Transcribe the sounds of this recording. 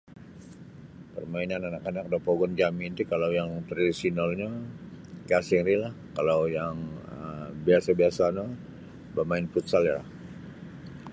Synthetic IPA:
pərmainananakanak̚dapoɡɔnd͡ʒamint̪ikalawjaŋt̪radisinalɲa | ɡasiŋɾilahkalawjaŋəbiasabiasana | bamaɪnput̪saljala̰h

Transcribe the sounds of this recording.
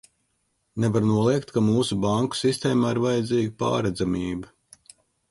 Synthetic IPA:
nɛvaɾnuɔlˠiɛkt̪kamuːsubaŋku̥sist̪eːmaːiɾvajɛd̪ziːɡipa̰ːɾɛd̪zamʲiːba

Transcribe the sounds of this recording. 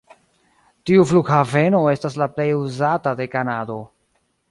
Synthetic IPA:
tiufluɡhave̞no̞e̞stas̬laple̞juzatade̞kanado̞

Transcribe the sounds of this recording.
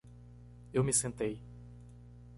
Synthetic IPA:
ewmɪsẽnt̪ej

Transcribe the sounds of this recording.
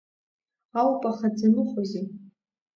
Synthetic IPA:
awpʼaχad͡zanɨχoze

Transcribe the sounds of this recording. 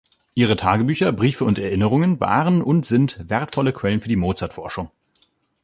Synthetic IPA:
ʔiːʁ̞ətʰaːɡəbyːçɐbʁiːfəʊntɛɐʔɪnəʁ̞ʊŋənva̰ːʁənʊntz̥ɪntv̥ɛɐtfɔləkʰv̥ɛlənfyːɐdiːmoːt͡saɐtfɔɐʃʊŋ

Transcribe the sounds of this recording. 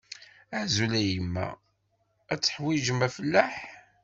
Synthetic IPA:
æzulæjəmːæ̰ | æt͡sːə̥ħwiʒəmæfəlːæħ

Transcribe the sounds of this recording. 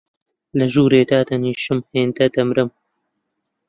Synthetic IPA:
lɐʒuːɾeːd̪aːd̪ɐniːʃɨmheːnd̪ɐd̪ɐmɾɨm

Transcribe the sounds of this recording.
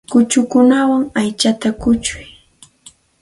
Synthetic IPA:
kʊt͡ʃʊkʊnawaŋajt͡ʃat̪akʊt͡ʃʊ̥j

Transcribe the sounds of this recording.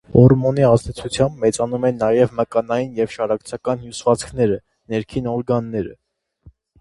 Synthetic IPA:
ɔɾmɔniɑzd̪ɛt͡sʰut͡sʰjɑmbmɛt͡sɑnumɛnɑjɛvməkɑnɑjinjɛvʃɑɾɑkt͡sʰɑkɑnhjusvɑt͡skʰnɛɾə | nɛɾkʰinɔɾɡɑnːɛɾə̰

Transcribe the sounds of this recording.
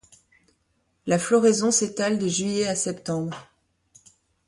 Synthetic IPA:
laflɔʁezɔ̃set̪ald̪əʒɥijeasɛpt̪ɑ̃bʁ

